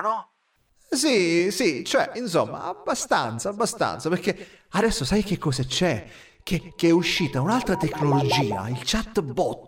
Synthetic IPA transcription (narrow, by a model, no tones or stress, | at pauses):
nɔ | sisit͡ʃoɛins̬omːa̰abːast̪a̰nt̪saabːast̪a̰nt̪sapeɾk̟ːead̪ɛsːosajk̟ekːɔːsat͡ʃɛ | k̟ekeɛuʃːiːt̪aunalt̪ɾat̪ekːnolod͡ʒiːa̰ilt͡ʃat̪ːbɔt̪ː